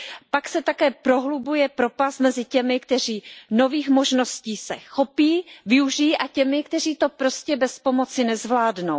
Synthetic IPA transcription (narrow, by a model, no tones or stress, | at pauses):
paksɛt̪akɛːpɾo̞ɦlubujɛpɾo̞past̪mɛzɪcɛmɪkt̪ɛr̝iːno̞viːxmo̞ʒno̞sciːsɛ̰xo̞piːvɪuʒɪjiʔacɛmɪk̚t̪ɛriːt̪o̞pɾo̞scɛbɛspo̞mo̞t͡sɪnɛzvlaːdno̞w